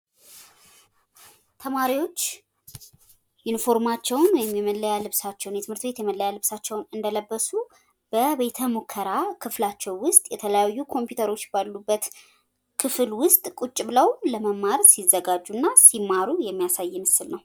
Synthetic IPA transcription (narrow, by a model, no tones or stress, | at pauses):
t̪ʰəmaɾiwo̞t͡ʃː | ɪnfo̞ɾmat͡ʃːɛwnwɔjɛmjɛməlːəjalɨβsat͡ʃːɛwnjɛt̪ʰɨmhɨɾt̪be̞t̪jɛməlːəjalɨβsat͡ʃːɛwnɨnd̪ələbːəsu | b̥əβe̞t̪ʰəmo̞kʰːəɾakʰɨflat͡ʃːɛwwʊst̪ʼjɛt̪ʰələjajːukʰo̞mpjut̪ʰəɾo̞t͡ʃːbalːubːət̪ | kʰɨfɨlwʊst̪ʼkʼut͡ʃʼːɪβləwləməmːaɾsizːəɡad͡ʒːunːasimːaɾujɛmːijasajːɪmɨsːɨlnəw